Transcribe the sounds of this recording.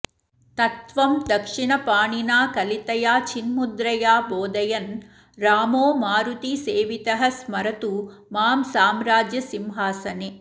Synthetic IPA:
t̪ɐt̪ʋɐmd̪ɐkʂiɳɐpaːɳinaːkɐlit̪ɐjaːt͡ʃinmud̪ɾɐjaːboːd̪ɐjɐn | ɾaːmoːmaːɾut̪iseːʋit̪ɐɦɐsmɐɾɐt̪u | maːmsaːmɾaːd͡ʒjɐsimɦaːsɐne

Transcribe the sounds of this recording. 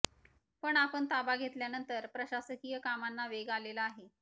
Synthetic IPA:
pəɳapəɳt̪abaɡʱet̪ljanənt̪əɾpɾəɕasəkijəkamanːaʋeɡalelaːɦe

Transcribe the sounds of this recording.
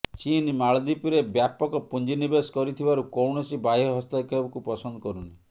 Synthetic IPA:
t͡ʃinmaɭd̪ipiɾebjapɔkɔpund͡ʒinibeskɔɾit̪ʰibaɾukɔwɳɔsibajɔɦɔst̪akiɔbɔkupɔsɔnd̪ɔkɔɾuni

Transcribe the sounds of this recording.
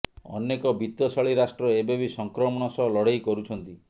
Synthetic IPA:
ɔ̰nːekɔbit̪jɔsɔɭiɾasʈɾɔebebisɔŋkɾɔmɔɽ̃ɔsɔlɔɽejkɔɾut͡ʃʰɔnt̪i

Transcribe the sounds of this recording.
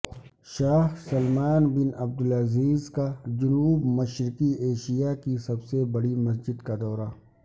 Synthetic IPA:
ʃaːhsɐlmaːnbɪnɐb̚d̪ʊlɐziːzkad͡ʒʊnuːbmɐʃɾɪkieːʃijakisɐbsebɐɽimɐs̬d͡ʒɪd̪kad̪ɔːɾaː

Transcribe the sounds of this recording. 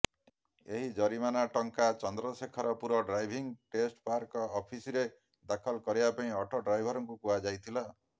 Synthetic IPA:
eɦid͡ʒɔɾimanaʈɔŋkat͡ʃɔnd̪ɾɔsekʰɔɾɔpuɾɔɖɾajbʱiŋʈesʈpaɾkɔɔpʰisiɾe | d̪akʰɔlkɔɾibapaĩɔʈʰɔɖɾajbʱɔɾɔŋkukuad͡ʒajt̪ʰila

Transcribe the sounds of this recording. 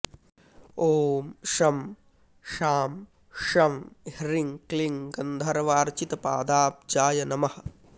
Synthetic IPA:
oːmʃɐm | ʃaːm | ʃɐmhɾiŋkliŋɡɐnd̪ʱɐɾɐʋaːɾt͡ʃit̪ɐpa̰ːd̪aːp̚d͡ʒaːjɐnɐmɐhɐ̆

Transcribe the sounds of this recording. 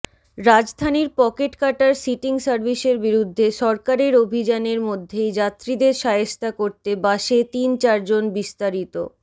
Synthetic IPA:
ɾad͡ʑd̪ʱaniɾpɔkeʈkaʈaɾsiʈiŋsaɾbiʃeɾbiɾud̪ʱːeʃɔɾkaɾeɾobʱid͡ʑaneɾmod̪ʱːejd͡ʑat̪ːɾid̪eɾʃaɦest̪akoɾt̪ebaʃet̪int͡ɕaɾd͡ʑonbist̪aɾit̪o̰

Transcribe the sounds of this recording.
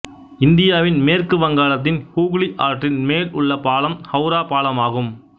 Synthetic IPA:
ɪnd̪ɪjaːʋɪnmeːrkɯʋɐŋɡaːlɐt̪̬ːɪnhuːɣɭiʔaːɾʈrɪnmeːlʊɭːɐpaːɭɐmhɐʊɾaːpaːɭɐmaːɣɯm

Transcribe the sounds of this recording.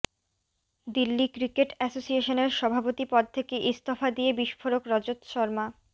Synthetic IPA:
d̪ilːikɾikeʈɛsosieʃoneɾʃɔbʱapot̪ipɔd̪̚t̪ʰekeʔist̪ofad̪iebiʃfoɾokɾɔd͡ʑot̪ʃɔɾma

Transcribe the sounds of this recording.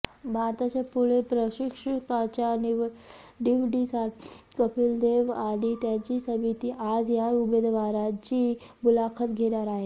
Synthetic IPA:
bʱaɾt̪at͡ɕapuɭepɾəɕikʂəkat͡ɕja | ɖiʋɖisaʈʰkəpild̪eʋaɽit̪jat͡ɕiːsəmit̪iːʔad͡zjaubed̪ʋaɾat͡ɕiː | bulakʰət̪ɡʱeɽaɾaɦe

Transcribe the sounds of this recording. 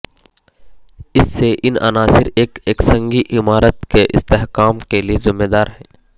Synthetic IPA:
ɪsːeʔɪnɐ̰naːsɪɾeːkeːksə̃ŋɡiʔɪmaːɾət̪keʔɪ̰st̪eːɦkaːmkeliezɪmːeːd̪aːɾɦɛ̃ː

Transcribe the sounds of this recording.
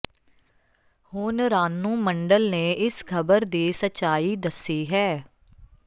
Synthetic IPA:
hʊːnɾaːnːũːməɳɖəlnẽːʔɪskʰəbəɾd̪iːsətːʃaːiːd̪əsːiːɦɛː

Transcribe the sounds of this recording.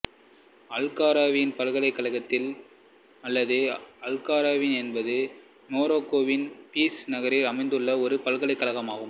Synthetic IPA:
ɐlkaːɾaːʋɪjɪnpɐlɣɐɭɐɪkːɐlɐɣɐt̪ːɪl | ɐlːɐðɯɐlkaːɾaːʋɪnɛnbɐðɯ | noːɾoːkːoːʋɪnpiːsnɐɣɐɾɪlɐmɐɪnd̪ɯɭːɐɔɾɯpɐlɣɐɭɐɪkːɐɭɐɣɐmaːɣɯm

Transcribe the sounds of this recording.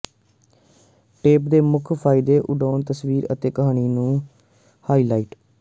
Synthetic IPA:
ʈeːpd̪eːmʊkʰpʰaːɪd̪eːʔʊɖaːnt̪əsʋiːɾə̰t̪eːkəɦaːɽ̃iːnũː | haːiːlaːiːʈ

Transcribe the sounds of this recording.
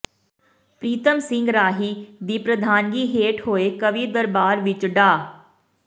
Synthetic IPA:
pɾiːt̪əmsɪ̃ŋɡɾaːɦiːd̪iːpɾəd̪ʱaːnɡiːɦeːʈhoːeːkəʋiːd̪əɾbaːɾʋɪt͡ʃɖaː

